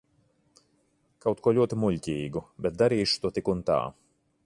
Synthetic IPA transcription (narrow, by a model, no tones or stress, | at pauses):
kawt̪kuɔlʲuɔt̪imulʲcʲiːɡubʲɛt̪̚d̪aɾiːʃu̥t̪uɔt̪ikunt̪a̰ː